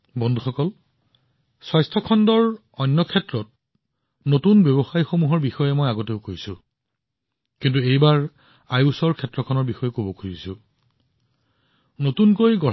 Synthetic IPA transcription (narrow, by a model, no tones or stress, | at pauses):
bɔndʱuxɔkɔl | swajstʰɔkʰɔndɔɹ | ɔjnːɔkʰɛtɹɔt̚ | notunbjebɔxajxomuɦɔɹbixɔjɛmojaɡoteʊkojsʊ | kint̬uejbaɹ | ajusɔɹkʰɛtːɹɔkʰɔnɔɹbixɔjɛkobɔkʰuɹisʊ | notunkojɡɔ